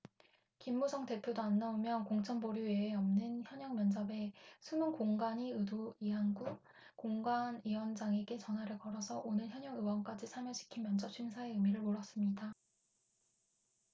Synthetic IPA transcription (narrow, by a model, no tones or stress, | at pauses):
kimːusʰʌŋte̞pʰjodoanːaomjʌnkoŋt͡ɕʰʌnboɾjueːʌmnɯnçjʌɲʌŋmjʌnd͡ʑabe̞sʰumunkoŋɡaɲiɯduiɦanɡu | koŋɡaniwʌnd͡ʑaŋe̞ɡe̞t͡ɕʌnɦwaɾɯɭkʌɾʌsʰʌʔonɯɭçjʌɲʌŋɯwʌnk͈ad͡ʑisʰamjʌɕʰi̥kʰinmjʌnd͡ʑʌp̚t͡ɕʰɥiŋsʰae̞ɯmiɾɯɭmoɭʌs͈ɯmɲida